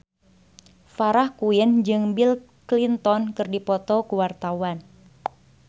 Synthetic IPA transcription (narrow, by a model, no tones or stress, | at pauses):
faɾahkuɪnd͡ʒɨŋbil | klint̪ɔnkɨrdipɔt̪ɔkuwart̪awan